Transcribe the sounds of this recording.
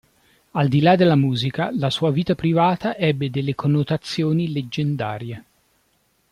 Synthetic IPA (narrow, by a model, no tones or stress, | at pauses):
ald̪ilad̪elːamuːzikalasuːaviːt̪apɾivaːt̪aʔɛbːed̪elːekʰonːot̪at̪sːjoːniled͡ʒːend̪aːɾje